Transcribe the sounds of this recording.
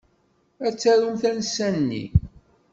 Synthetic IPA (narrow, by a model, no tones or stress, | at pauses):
æt͡sːæɾumθænsːænːḭ